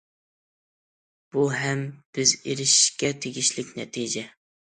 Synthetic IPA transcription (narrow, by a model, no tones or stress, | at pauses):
b̥uɦɛmb̥ɪzeɾɪʃi̥ʃkʲɛt̪ʰeɡʲiʃlɪkʲnɛ̰t̪ʰid͡ʒɛ